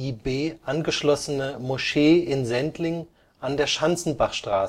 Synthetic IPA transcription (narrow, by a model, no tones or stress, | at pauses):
ʔiːbeːʔanɡəʃlɔsənəmoʃeːɪnzɛntlɪŋ | ʔandeːɐʃant͡sn̩baχʃtʁ̥aːsə